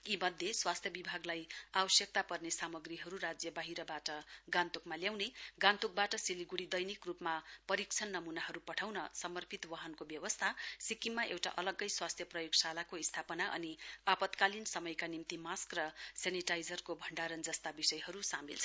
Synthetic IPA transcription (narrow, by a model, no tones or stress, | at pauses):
imʌd̪ʱjeswast̪ʰjʌbibʱaɡlajabʌsjʌk̚t̪apʌrnesamʌɡriɦʌɾuɾad͡zjʌbaɦiɾʌbaʈʌɡãnt̪ukmaljawneɡãnt̪uk̚baʈʌsiliɡuɽid̪ʌjnikrupmapʌɾik̚t͡sʰʌnːʌmunaɦʌɾupʌʈʰawnʌsʌmʌrpʰit̪wʌɦʌnkobjʌwʌst̪ʰasikimːaʔewʈa̰ʔʌlʌɡʌjswast̪ʰjʌprʌjoɡsalakoist̪ʰapʌnaʔʌ̰niapʌt̪kalinsʌmʌjkanimt̪imaskrʌseniʈajd͡zʌrkobʱʌɳɖaɾʌnd͡zʌst̪abisʌjɦʌɾusamḭlt͡sʰʌ